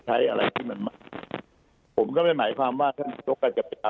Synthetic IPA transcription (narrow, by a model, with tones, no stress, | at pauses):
t͡ɕʰa˦˥jʔa˧ɾa˧jt̪ʰiː˥˩ma˧nmaː˥˩k̚ | pʰo˩˦mka˥˩ma˥˩jmaː˩˦jkʰwaː˧mwaː˥˩t̪ʰa˥˩n˧˩jo˦˥˩kːaː˥˩t͡ɕa˨˩pe˧a˧